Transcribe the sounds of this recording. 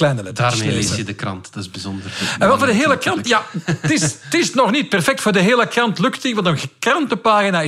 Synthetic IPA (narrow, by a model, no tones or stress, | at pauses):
lɛjnəlɛdaːrmesjədəkrɑ̰ntd̥ɑtɪzbizɔndərɛ̃nʋɛlˠvoːrdəɦeːləkrɑntjatɪstɪsnɔxnit̚pɛrfɛk̚tfoːrdəɦeːləkrɑntlɵktiʋɑntənɣəkrɑntəpaːɣinaɪ